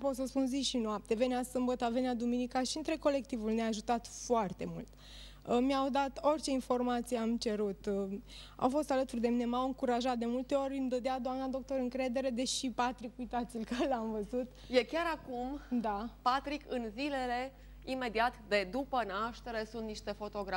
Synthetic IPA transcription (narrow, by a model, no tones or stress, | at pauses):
po̞t̪səspunziʃinoap̚t̪e̞ve̞neasɨmbət̪əvenead̪uminikaʃiɨnt̪ɾe̞ko̞le̞k̚t̪ivulneaːʒut̪at̪foart̪e̞mult̪ | miawd̪at̪o̞rʲt͡ʃe̞info̞rmat̪sijeamt͡ʃe̞ɾut̪ | a̰wfo̞st̪alət̪urd̪e̞minemawɨŋkuɾaʒat̪̚d̪e̞mult̪e̞o̞ɾʲɨnd̪əd̪ead̪oamnad̪o̞k̚t̪o̞ɾɨŋkɾe̞d̪e̞ɾe̞d̪e̞ʃipat̪ɾikujt̪at̪silʲkaɾelamvəzut̪ | je̞kʲaɾakumd̪apat̪ɾikɨnzile̞le̞ | ime̞d̪iat̪d̪e̞d̪upənaʃt̪e̞ɾe̞sunt̪niʃt̪e̞fo̞t̪o̞ɡɾa